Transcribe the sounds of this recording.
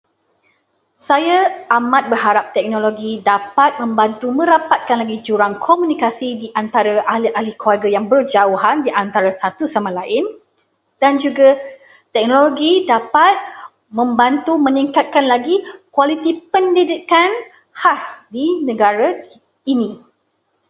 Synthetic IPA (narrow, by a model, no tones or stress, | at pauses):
sajaamãt̪̚bərɦaɾap̚t̪ɛk̚noloɡidapat̪̚mə̃mbant̪umə̃ɾapat̪̚kanlaɡid͡ʒuɾaŋkʰomũnikasidiʔant̪aɾaʔahliʔahlikuarɡajaŋbərd͡ʒauɦandiʔant̪aɾasat̪usamãlaɪn | d̥and͡ʒuɡa | t̪ɛk̚noloɡidapat̪̚ | mə̃mbant̪umə̃niŋkat̪̚kanlaɡikwalit̪ipəndidikan | hasdinə̃ɡaɾa | inĩ